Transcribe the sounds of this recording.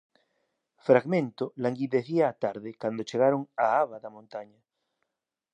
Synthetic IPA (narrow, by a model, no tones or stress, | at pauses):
fɾaɣmẽnt̪olaŋɡiðeθiaːt̪aɾðekand̪ot͡ʃeɣ̞aɾoŋaaβaðamõnt̪aɲa